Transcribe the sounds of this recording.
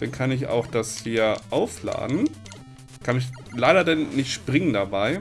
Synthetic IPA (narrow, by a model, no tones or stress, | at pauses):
d̥ankʰanɪç̬a̰ʊxd̥ashiːɐʔaʊfla̰ːdn̩ | kʰanɪç̬ | laɪɾɐdanːɪçtʃpʁ̥ɪŋəndabaɪ